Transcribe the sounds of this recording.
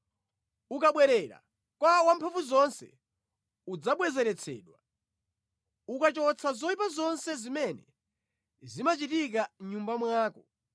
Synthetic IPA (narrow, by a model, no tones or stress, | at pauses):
ukaɓwɛɾɛɾa̰ | kwawampʰaɱfuzɔnsɛ̰ | ud͡zaɓwɛzɛɾɛt͡sʰɛ̰ːɗwa | ukat͡ʃɔt͡sʰazɔipazɔnsɛzimɛnɛ | zimat͡ʃitik̬aɲumbamwaːkɔ